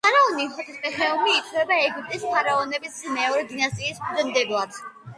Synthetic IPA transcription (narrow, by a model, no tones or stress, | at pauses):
pʰaɾaɔnisʰɔt̪ʰispɛχɛɔmiːt̪ʰʼwɛbaɛɡip̚t̪ʼispʰaɾaɔnɛbismɛɔɾɛd̪inast̪ʼiːskʰuzɛmd̪ɛblˠad̪